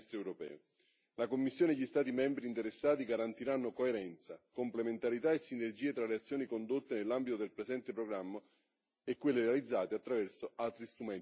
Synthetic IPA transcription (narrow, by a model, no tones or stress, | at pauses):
st̪ɾeɛwɾopɛ̰ːo | lakomːisːjoːneʎːist̪aːt̪̬imɛmbɾiːnt̪eɾesːaːt̪iɡaɾant̪iɾanːokoeɾɛnt̪sakomplement̪aɾit̪aesːinerd͡ʒiːet̪ɾaleat̪sːjoːnikond̪ot̪ːenelːambit̪od̪elpɾezɛnt̪epɾoɡɾamːa | ekːwelːerealid̪zːaːt̪eat̪ːɾavɛrsoalt̪ɾist̪ɾumɛn